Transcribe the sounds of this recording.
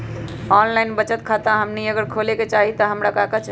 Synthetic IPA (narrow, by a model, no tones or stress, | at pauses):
ɔnlaɪnbət͡ʃət̪kʰat̪aɦəmniəɡəɾkʰoleket͡ʃaɦit̪əɦəmɾakakət͡ʃʰ